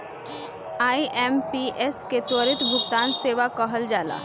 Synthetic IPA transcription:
aːiʔempiʔesket̪ɔːɾɪt̪bʱʊɡt̪aːnseːʋakɔɦəld͡ʒaːla̰ː

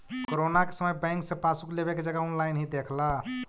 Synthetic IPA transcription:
kkoɾonake̥səməjbɛ̃ŋksẽpasuklebeked͡ʒəɡaɔnlajnɦid̪ekʰla

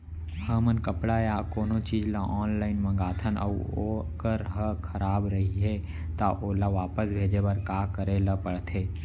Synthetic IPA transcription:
həmənkəpɽajakoːnõt͡ʃiːd͡ʒlaʔɔːnlaːɪnmə̃ŋɡaːt̪ʰənʔɐ̰okəɾɦəkʰəɾaːbɾɐɦiɦɛ | t̪aʔoːlaʋaːpəsbʱeːd͡ʒebɐɾkaːkəɾeləpəɽt̪ʰeː

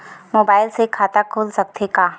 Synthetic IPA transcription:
moːbaːɪlsekʰaːt̪akʰoːlsɐk̚t̪ʰekaː

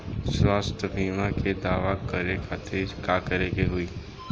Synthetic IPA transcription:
swaːst̪ʰəbʱiːmaked̪aːʋakəɾekʰat̪ʰekaːkəɾekeɦʊi

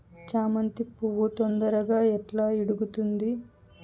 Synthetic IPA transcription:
t͡ʃaːmɐnt̪ipuʋːut̪ond̪ɐɾɐɡaːɛʈlaːiɽuɡut̪und̪i

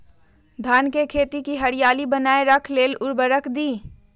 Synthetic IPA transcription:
d̪ʱaːnkekʰeːt̪ikiɦɐɽijaːlibɐnaːeɾɐkʰleːlʊɾbəɾəkʰd̪iː

